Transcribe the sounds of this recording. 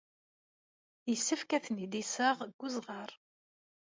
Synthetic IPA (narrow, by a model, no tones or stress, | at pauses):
jəsːəfkæθnid̪isəʁɡ̥ːuzʁɑɾˤ